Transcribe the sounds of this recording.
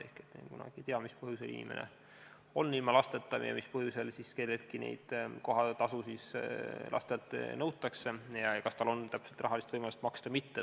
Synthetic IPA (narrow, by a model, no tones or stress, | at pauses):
ehket̪ːnekunɑ̰ɡ̥it̪eɑmispɤɦjuselḭnḭmʔḛnḛ | o̞nːilmɑlɑst̪e̞t̪ːˑɑmjɑ̰mispɤɦjuse̞lsiske̞lːel̚kinḛjd̪̥ko̞ɦɑt̪ɑsusislʔɑ̰st̪elt̪ːˑnɤwt̪ːˑɑkse̞jɑjɑkɑst̪ɑlo̞nt̪æpse̞lt̪rɑɦɑlist̪vɤjmɑlust̪mɑkst̪ɑmit̪ːe